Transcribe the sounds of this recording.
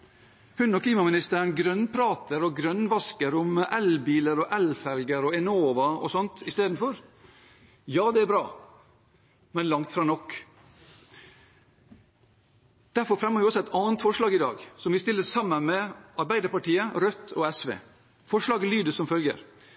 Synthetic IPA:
hʉnɔkʰliːmɑmɪnɪst̪əɳɡɾœnpʰɾɑːt̪əɾɔɡɾœnːʋɑskəɾʊmɛlbiːləɾɔʔɛlfɛlɡəɾɔɛnoːʋɑɔ̰sɔnt̪ʰɪst̪eːd̪n̩fɔɾ | jɑːd̪ɛæɾbɾɑː | mɛnlɑŋt̪fɾɑːnɔkː | d̪̥æɾfɔɾfɾɛmːəʋɪɔsːɔɛt̪ɑːənt̪fɔʂɭɑːɡɪd̪ɑ̰ːɡsɔmʋɪst̪ɪlːəsɑmːənmɛʔɑɾbæɪd̪əɾpɑʈiːəɾœt̪ʰːɔɛsʋḛː | fɔʂlɑːɡəlyːd̪əsɔmfœlɡə̰ɾ

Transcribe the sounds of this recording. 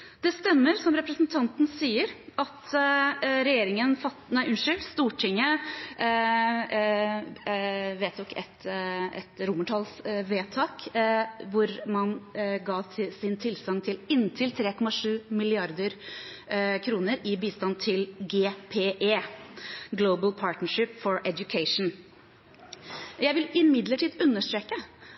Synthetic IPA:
d̪ɛst̪ɛmːəɾsɔmɾɛpɾəsnt̪ʰɑnt̪n̩siːəɾʔɑt̪ | ɾɛjeːɾɪŋənfɑt̪næɪʔʉnʂʏlst̪uːʈʰɪŋːə | ʋeːt̪̚d̪ɔkɛt̪ɛ̰t̪ɾʊməʈʰɑːlsʋeːt̪ʰɑːk | ʋʊɾmɑnɡɑːsɪnt̪ʰɪlsɑŋt̪ʰɪlɪnt̪ʰɪlt̪ʰɾeːkʰɔmɑʂʉːmɪlɪɑɾd̪əɾ | kʰɾuːnəɾɪbiːst̪ɑnt̪ʰɪlɡeːpʰeːʔeː | ɡloʊbəlpʰɑːʈnəʂɪpːfɔɹɛd̪jʊkʰeɪʂn̩ | jæɪʋɪlɪmɪd̪ləʈʰiːd̪ʉnːəʂʈ̪ɾeːkə

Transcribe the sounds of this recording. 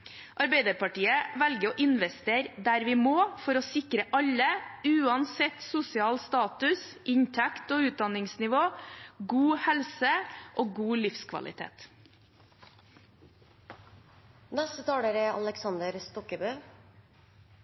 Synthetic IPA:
ʔɑɾbæɪd̪əɾpɑʈiːəʋælɡəɾoːʔɪnʋɛst̪eːɾd̪æɾʋɪmoːfɔɾoːsɪkɾəʔɑʎːəʉːɑnsɛt̪sʊsɪɑːlst̪ɑːt̪ʉsɪɲt̪ʰækt̪oːʉːt̪̚d̪ɑnɪŋsnɪʋoːɡuːhɛlsəʔoːɡuːlɪfskʰʋɑ̰lɪ̰t̪ʰḛːt̪ | nɛst̪ət̪ʰɑːɽoːɾəɑ̰ləksɑnd̪əɾst̪ɔkəbøː

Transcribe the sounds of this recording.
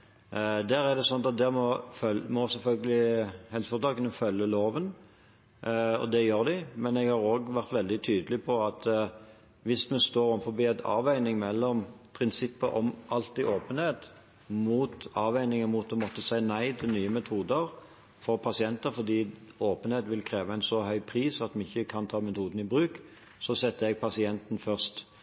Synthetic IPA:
d̪æːɾæʁd̪ɛsɔnɑɑt̪̚d̪æːʁmɔfœlmɔsɛlfœlɡəlɪhɛlsəfɔʁd̪ɑːkənəfœlːəloːʋən | ɔ̰d̪ɛjøːɾd̪ɪmɛnɛɡhɑːɾoːɡʋæʁt̪ʋɛld̪ɪt̪ʰyːd̪əlɪpʰɔɑt̪ | ʋɪsmɛst̪oːɾɔmfɔbiːæɪt̪ʰɑ̰ːʋæɪnɪŋmɛlːɔmpʰʁɪnsɪpːəʔɔmʔɑlt̪ɪʔoːpənheːt̪ | muːt̪ɑːʋæɪnɪŋəmuːt̪̚ːɔmɔt̪ːəsæɪnæɪt̪ʰɪlnyːəmɛt̪ʰuːd̪əɾ | fɔʁpʰɑsɪɛnt̪əɾfɔʁd̪iːoːpənheːt̪ʋɪlkʰɾeːʋəæɪnsɔhœʏpʰʁiːsɑt̪mɛɪçːəkʰɑnt̪ʰɑːmɛt̪ʰuːd̪n̩ɪbɾʉːk | sɔsɛt̪ːəɛɡ̚pʰɑsɪɛnt̪n̩fœʁst̪

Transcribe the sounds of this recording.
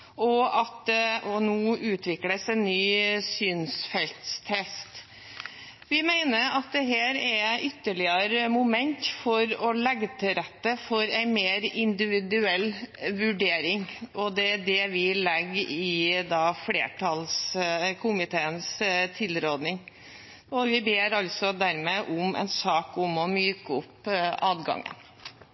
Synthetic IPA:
ɔɑt̪ʔɔnuːʉːt̪ʰʋɪkləsɛɪnːyːsyːnsfɛlt̪st̪ʰɛst̪ | ʋɪmæɪnəɾɑt̪̚d̪ɛɦæːɾɛʔʏt̪ːəɭɪəɾəmʊmɛnt̪fɔɾɔlɛɡːət̪ʰɪɾɛt̪ːəfɔɾæɪmeːɾɪnd̪ɪʋɪd̪ʉɛlːʋʉɖeːɾɪŋʔɔd̪ɛæd̪ɛʋɪlɛɡɪd̪ɑːflḛːʈʰɑlskʰʊmɪt̪ʰeːənst̪ʰɪlɾoːd̪nɪŋ | ɔʋɪbeːɾɑlsɔd̪æɾmeʔʊmɛ̰ɪnsɑːkʊmɔmyːkəʊpːʔɑːd̪ɡɑ̰ŋːə̰n

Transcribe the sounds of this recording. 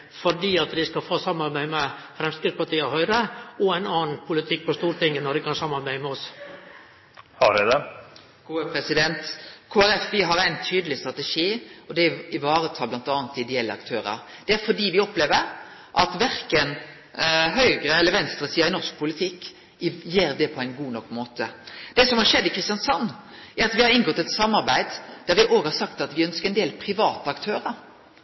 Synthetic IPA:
fɔɖiːɑt̪d̪ɪskɑfoːsɑmɑɾbæɪmɛ | fɾɛmskɾɪt̪spɑʈiːɔhœʏɾəɔæɪnɑːn̩pʰʊlɪt̪ʰɪk̚ːpɔst̪uːɾt̪ʰɪŋːənɔd̪ɪkʰɑnsɑmːɑɾbæɪmɛɔs | hɑɾɛd̪ɛ | kʰoːəpʰɾɛsɪd̪ɛnt̪kʰoːæɾɛfʋɪɦɑɾæɪnt̪ʰyːd̪lɪst̪ʁɑt̪əʂiːɔd̪ɛɪʋɑːɾət̪ʰɑːblɑnt̪ɑːnt̪ɪd̪ɛɛlːəɑ̰kt̪ʰøːɾə̰ɾ | d̪̥ɛæɾfɔɖiːʋɪɔpleːʋəɾ | ʔɑt̪ʋæɾkən | ɦœʏɡɾəɛlːəɾʋɛnst̪ɾəsiːɑɪnɔʁʂk̚pʰʊlɪt̪ʰɪkː | jeːɾd̪ɛpʰɔæɪnɡuːnɔkːmoːt̪əd̪̥ɛsɔmhɑɾʂɛd̪ːɪkʰɾɪst̪jɑnsɑnː | æɾɑt̪ʋɪhɑɾɪnɡɔt̪ːɛt̪sɑmːɑɾbæɪd̪d̪̥æɾʋɪʔoːɡəhɑsɑkt̪ɑt̪ʋɪœnskəɾɛnd̪eːlpʰɾɪʋɑːt̪əɑkt̪ʰøːɾəɾ

